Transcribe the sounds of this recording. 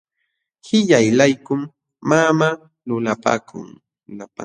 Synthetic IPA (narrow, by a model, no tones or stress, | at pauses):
hɪʎajlajkʊmː | ama | lʊlapa̰ːkʰʊ̰ŋ | lapa